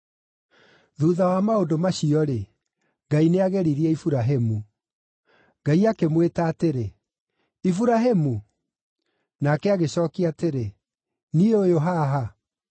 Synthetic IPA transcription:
ðuðawamaodomaɕiɔɾe | ɡaineaɣɛɾiɾiɛifuɾaɦemu | ɡ̥aiakemwetaːteɾe | ifuɾaɦemu | nakɛaɣeɕɔːkiateɾe | nieojoɦaɦa

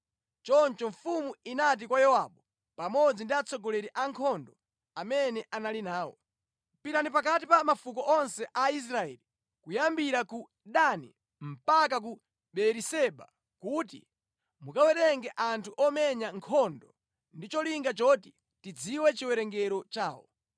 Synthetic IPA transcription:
t͡ʃɔnt͡ʃɔɱfumuinat̬ikwajɔwaɓɔ | pamɔd͡zindiat͡sɔɡɔlɛɾiʔaŋkʰɔndɔ | amɛnɛʔanalinaːwɔ̰ | piɾanipak̬atipamafukɔʔɔnsɛʔais̬ɾaɛ̰li | kujambiɾaku | ɗanḭ | m̩pak̬ak̬u | ɓɛɾisɛɓa̰ | kut̬ḭ | mukawɛɾɛŋɡɛʔantʰuʔɔmɛɲaŋkʰɔndɔ | ndit͡ʃɔliŋɡat͡ʃɔti | tid͡ziwɛt͡ʃiwɛɾɛŋɡɛɾɔt͡ʃaːwɔ̰

